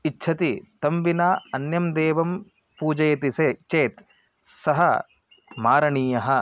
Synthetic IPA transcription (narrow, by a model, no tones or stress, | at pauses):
itːʃʰɐt̪it̪ɐmbinaːɐnjɐmd̪eːʋɐm | puːd͡ʒɐjɐt̪iseːt͡ʃeːt̪ | sɐɦɐ | maːɾɐɳiːjɐɦɐ